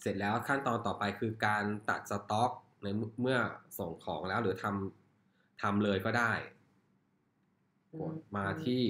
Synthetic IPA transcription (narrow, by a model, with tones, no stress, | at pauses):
se˨˩t̪̚lɛː˦˥wkʰa˥˩nt̪ɔː˧nt̪ɔː˨˩pa˧jkʰɯː˧kaː˧nt̪a̰˨˩t̪̚sa˧t̪ɔː˦˥k̚ | na˧jmmɯ˥˩ɐso˨˩ŋkʰɔ̰ː˩˦ŋlɛː˦˥wɾɯː˩˦t̪ʰa˧m | t̪ʰa˧mlɤː˧jkɔː˥˩daː˥˩j | pʰo˨˩˦nmaː˧t̪ʰiː˥˩